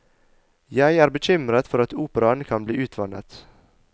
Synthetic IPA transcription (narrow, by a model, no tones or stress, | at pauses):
jæɪæːɾbəc͡çʏmɾət̪fɔɾɑt̪uːpəɾɑnkʰɑnbliːʔʉːt̪ʰʋɑnə̰t̪